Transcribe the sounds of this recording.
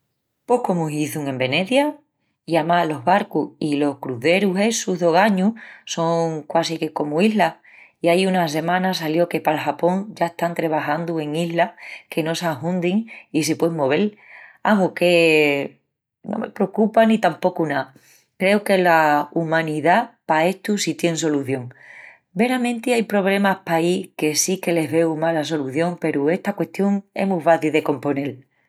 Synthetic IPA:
pohkomuɦiθuŋẽ̞mbe̞ne̞θja | iamalo̞ɦβaɾkuhilo̞hkɾuðe̞ɾuɦe̞suɦðo̞ɣaɲuso̞ŋkwasikeko̞muiɦla | iajunase̞mãnas̬aljo̞ke̞palxapo̞ŋd͡ʒaeht̪ant̪ɾeβaxand̪ue̞ŋiɦlake̞no̞saɦũnd̪iŋisepweŋmoβe̞lamuke̞ | no̰me̞̰pɾeokupanit̪ampo̞kuna | kɾe̞wke̞laumãniðapae̞ht̪usit̪je̞ŋs̬o̞luθjo̞ŋ | be̞ɾamẽnt̪iajpɾo̞β̞le̞mahpaike̞sike̞le̞ɦβe̞wmalas̬o̞luθjo̞ŋpe̞ɾue̞ht̪akwe̞ht̪jo̞ŋe̞̰muβaðiðe̞ko̞mpo̞ne̞l

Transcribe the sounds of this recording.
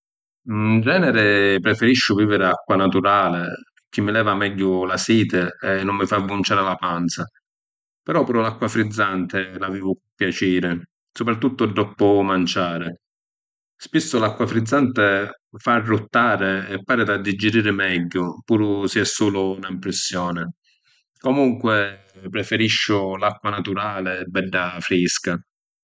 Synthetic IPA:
nd͡ʒɛːnɛɾɪpɾɛfɛɾiʃːʊviːvɪɾɪakːwanat̪uɾaːlɪ | kːimːɪlɛːvamɛɟːʊlasiːt̪ɪɛnːʊmːɪfavunt͡ʃaːɾɪlapant̪sa | pɛɾɔpuːɾʊlakːwafɾid̪zːant̪ɪlaviːvʊpjat͡ʃiːɾɪ | sʊpɾat̪ːut̪ːʊd̪ːɔpʊmant͡ʃaːɾɪ | spisːʊlakːwafɾid̪zːant̪e | farːut̪ːaːɾeːpːaːɾɪd̪ad̪ːid͡ʒːiɾiːɾɪmɛɟːʊpuːɾʊsiɛsːuːlʊunaimpɾɪsːjɔːnɪ | komuŋkwɪ | pɾɛfeɾiʃːʊlakːwanat̪uɾaːlebːɛɖːafɾiska

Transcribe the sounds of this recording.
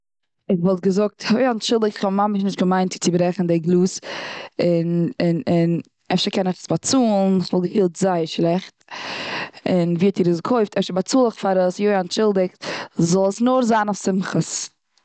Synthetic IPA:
ɪχvɔlˠt̚ɡəzʊk̚tʰjoɪantʃɪlˠdɪkɪχɔmaməʃnɪʃtɡəmaɪnt͡sɪt͡sɪbɾɛχn̩deɡlˠuːs | ɪnɪnɪn | ɛfʃəkɛnɪχə̥sbat͡suːlˠn̩svɔlˠɡəfiːlˠtzaɪəɾʃlˠɛχt | ɪnviːɔtʰiːɾəskʰoɪftɛfʃəɾbat͡suːlˠəχfaɾəsjoɪantʃɪlˠdɪkzɔlˠəsnʊɾzaːnaʊfsɪmχəs

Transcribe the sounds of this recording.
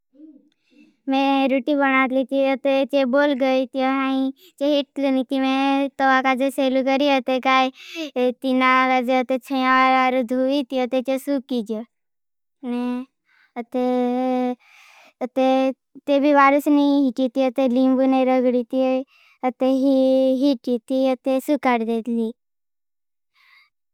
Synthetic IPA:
mẽɾuʈibənat̪lit̪iət̪et͡ʃeboːlɡəit̪ioɦaĩ | t͡ʃeɦɪʈ̚lunit̪imẽt̪əʋakad͡ʒeselukəɾiət̪ekaːit̪inakad͡ʒeət̪et͡ʃʰəjãʋaɾaɾud̪ʱuit̪iət̪et͡ʃesukːid͡ʒo | ne | ət̪e | ət̪e | t̪ebʱiʋaɾusniɦiʈit̪iət̪elimbuneɾəɡɽit̪i | ət̪eɦiɦiʈit̪iət̪esukaɾd̪et̪li

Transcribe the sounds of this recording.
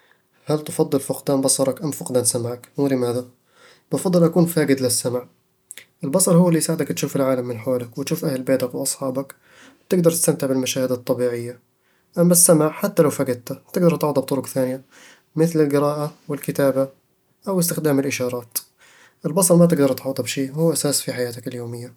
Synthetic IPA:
halt̪fɑd̪ˤːɨlfʊqd̪aːnbɑsˤɑɾˤɑkʔamːfʊqd̪aːnsamaʕakwlɪmaːða | bʊfɑd̪ˤːɨlʔakuːnfaːɡɪd̪lɪsːamaʕ | ʔɪlbɑsˤɑɾˤhʊwːlːisaːʕɪd̪akt̪ʃuːfɪlʕaːlamːɪnħaːlakwɪt̪ʃuːfʔahlbeːt̪akwʔɑsˤħɑːbɑk | t̪ɪɡd̪ɑɾˤt̪ɪst̪amt̪ɪʕbɪlmaʃaːhɪd̪ɑt̪ˤːɑbiːʕɪjːa | ʔamːasːamaʕħat̪ːalawfaːɡɪd̪̚t̪at̪ɪɡ̚d̪ɑɾˤt̪ʕɑːd̪ˤɑbt̪ʊɾʊkθaːnɪja | mɪθlɪlɡɪɾɑːʔawɪlkɪt̪aːba | ʔawɪst̪ɪxd̪aːmɪlʔɪʃɑːɾˤɑːt̪ | ʔɪlbɑsˤɑɾˤmat̪̬ɪɡd̪ɑɾˤt̪ʕɑːd̪ˤɑbʃiːhuːʔasaːsfiħajaːt̪akɪljoːmɪjːa

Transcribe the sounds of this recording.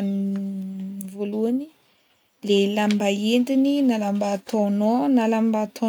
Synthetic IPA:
ni | voluani | lelambaend̪ininalambat̪ʰononalambat̪ʰo

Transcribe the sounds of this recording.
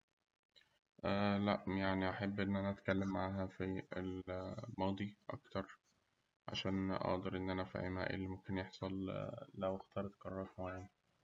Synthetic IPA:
ʔæːlæʔjaʕniʔaħabːʔenːʔænæʔæt̪kælːemːaʕaːɦæfielmɑːd̪ˤiʔɑ̰kt̪ɑɾˤ | ʕa̰ʃæːnʔɑ̰ʔd̪ˤɑɾˤʔenːʔænæfḭʕʔḛmæ̰ːʔḛlːimomkenjeħsˤɑllæwext̪ʰɑːɾˤt̪kɑrˤːɑkmaʕan

